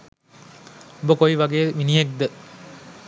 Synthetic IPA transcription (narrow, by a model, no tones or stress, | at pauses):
bokoiʋaɡeːʋiniɦek̚d̪ə